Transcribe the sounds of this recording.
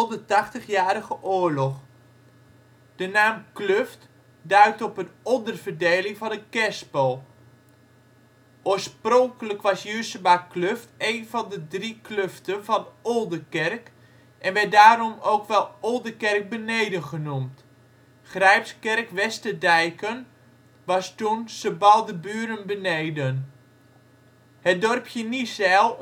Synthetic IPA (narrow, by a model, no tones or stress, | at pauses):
ɔdətɑχtəχjaːɾəɣəʔʊːɹlɔχ | d̥ənaːmkløft | dœɥtɔpənɔndərvərdejlɪŋvɑndəkɛspəlˠ | ʔoːɹsprɔŋkələkʋɑsjysəbakløftejnvɑndədrikløftənvɑnolˠdəkɛrk | ʔɛnʋɛt̚daːɾɔmowkʋɛlˠolˠdəkɛrk̚bənejdənχənumt | χrɛjpskɛrkʋɛstədɛjkən | ʋɑstunsəbɑlˠdəbyːɾənbənejdən | hət̚dɔrpjənisɛlˠ